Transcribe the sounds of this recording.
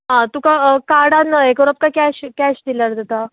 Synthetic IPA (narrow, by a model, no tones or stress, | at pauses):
ɦãt̪ukakaɽanaekɔɾəp̚kakɛɕkɛɕd̪ilaɾd̪at̪a